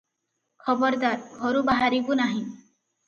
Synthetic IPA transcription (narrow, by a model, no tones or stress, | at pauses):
kʰɔbɔɾd̪aɾɡʱɔɾubaɦaɾikunaɦĩ